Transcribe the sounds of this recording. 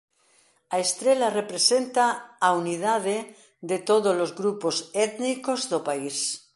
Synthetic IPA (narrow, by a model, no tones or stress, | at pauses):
aest̪ɾelarepɾesent̪aːunið̞aðe | ðet̪oðolozɣɾuposet̪nikozðopais